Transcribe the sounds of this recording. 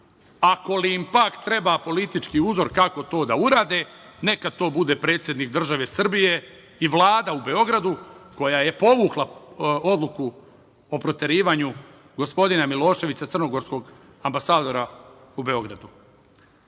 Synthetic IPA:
ako̞liimpakt̪ɾe̞bapo̞lit̪it͡ʃkiuzo̞ɾkako̞t̪o̞ːd̪auɾaːd̪e | ne̞kad̪̚t̪o̞ːbud̪e̞ːpɾe̞ːt̪sje̞d̪nikd̪r̩ʒaʋe̞sr̩bije̞ | iʋlˠaːd̪aube̞o̞ɡɾad̪uko̞jaje̞po̞ʋuklˠao̞d̪lˠuku | opɾo̞t̪e̞ɾiːʋaɲu | ɡo̞spo̞d̪inamilo̞ːʃe̞ʋisat̪r̩no̞ɡo̞ɾsko̞ɡ | ambasaːd̪o̞ɾa | ube̞o̞ɡɾad̪u

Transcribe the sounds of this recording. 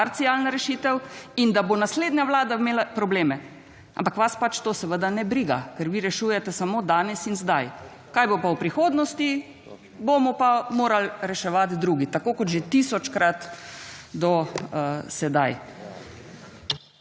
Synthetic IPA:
aɾt̪sialnaɾɛʃiːt̪ɛwind̪abonasleːd̪naʋlaːd̪ameːlapɾɔbleːmɛ | ʔa̰mpakʋaspat͡ʃt̪oːsɛʋəd̪anɛbɾiːɡa̰kəɾʋiɾɛʃuːjɛt̪ɛsamoːd̪aːnɛsinzd̪aj | kajbopawpɾixoːd̪nɔst̪i | bomɔpamoːɾalɾɛʃɛʋat̪d̪ɾuːɡit̪akoːkɔt̪ʒet̪isɔt͡ʃkɾat̪ | d̪ɔ | sɛd̪aj

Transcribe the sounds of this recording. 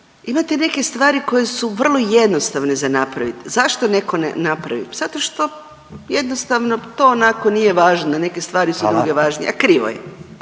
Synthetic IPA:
imat̪ene̞ke̞st̪ʋaːɾiko̞jesuʋr̩lˠo̞jed̪nost̪aʋnezanapɾaʋit̪zaʃt̪one̞ko̞nḛnapɾa̰ʋḭmz̥at̪o̞ʃt̪o̞ | jed̪nost̪aʋno̞t̪oːnakonije̞ʋaːʒnod̪ane̞kest̪ʋaːɾisudd̪ɾuɡe̞ʋaːʒnḭa̰kɾiʋo̰jḛ

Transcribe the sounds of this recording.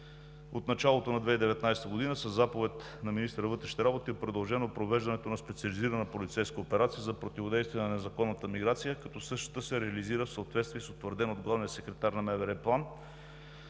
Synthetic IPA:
ot̪nɐt͡ʃalˠot̪onɐd̪vɛid̪ɛvɛt̪najsɛ̥t̪əɡod̪inəsəzːapovɛt̪ | nɐminist̪əɾəvɤt̪ɾɛʃi̥t̪ɛɾabot̪iopɾod̪ɐlˠʒɛnopɾovɛʒd̪ɐnɛt̪onɐspɛt̪siɐliziɾənəpolit̪sɛjskəopɛɾat̪sijəzɐpɾot̪ivod̪ɛjst̪vijɛnɐnɛzɐkɔnːət̪əmiɡɾat̪sijəkɐt̪ɔsɤʃt̪ə̥t̪əsɛɾɛɐliziɾəfsəot̪vɛt̪st̪vʲiɛsot̪vəɾd̪ɛnod̪ɡlˠavnijəsɛkɾɛt̪aɾnɐmɛvɛɾɛplˠan

